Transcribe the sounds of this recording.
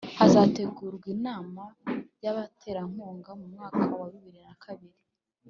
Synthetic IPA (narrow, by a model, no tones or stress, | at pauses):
azaːte̞ɡuːɾɡwinaːmajaβatʰe̞ɾaŋ̥oːŋɡamumŋaːkʰawaβiβiɾinakʰaβiɾi